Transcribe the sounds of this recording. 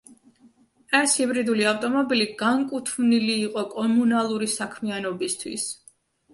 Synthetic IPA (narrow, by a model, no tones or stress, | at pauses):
ɛshibɾid̪uliaft̪ʼɔmɔbiliɡaŋkʼut̪ʰmniliːqʼɔkʼɔmunalˠuɾisakʰmianɔbist̪ʰwḭs